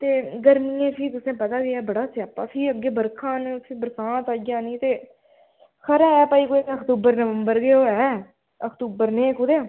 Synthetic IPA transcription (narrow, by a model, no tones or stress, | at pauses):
t̪eːɡəɾniːẽːpʰiːt̪ʊsẽːpət̪aːɡeɛːbəɽaːsɪaːpaːpʰiːəɡːeːbəɾkʰãːnːpʰiːbəɾsãːt̪aːãːniːt̪eː | kʰəɾɛːɛːpəːiːkoːəkt̪uːbəɾnəʋəmbəɾɡeːoːɛː | əkt̪uːbəɾnẽːkʊd̪eː